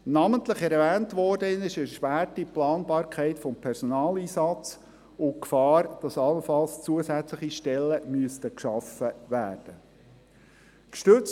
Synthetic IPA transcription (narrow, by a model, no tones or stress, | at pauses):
nɑməntləχɛɾvæːntʋɔɾdəɪnɪʃəʃpæːrtiplɑːnbɑːɾkʰæɪtfɔmpʰɛɾsɔnɑːliːsɑt͡s | ʊkfɑːɾd̥ɑsɑləfɑlst͡suəsæt͡sləχiʃtɛlːəmyəstəkʃɑfəʋæːrd̥ə | kʃtɵt͡s